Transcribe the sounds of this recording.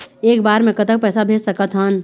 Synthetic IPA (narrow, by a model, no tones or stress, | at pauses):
eːkbaːɾmẽkət̪ək̚pɛːsabʱeːd͡ʒsəkət̪ɦən